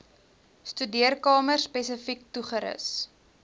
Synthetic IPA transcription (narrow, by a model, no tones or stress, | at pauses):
stydiərkɑːmərspɛsəfik̚tuχəɾə̰s